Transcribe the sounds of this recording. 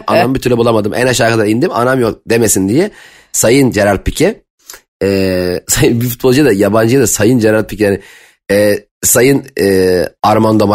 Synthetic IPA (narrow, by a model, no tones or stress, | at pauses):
a̰nambit̪ʰyɾlɛbulˠamad̪ɯmʔæ̰naʃaːkʰad̪aɾind̪ima̰namjok̚d̪e̞mesind̪ijɛ | sajɯnd͡ʒeɾaɾt̪̚pʰicʰɛ | ɛːsajɯnbifut̪̚bolˠd͡ʒɯjad̪ajaband͡ʒɯjad̪asajɯnd͡ʒeɾaɾt̪̚pʰicijanɪ | ɛː | sajɯnɛːaɾmand̪ama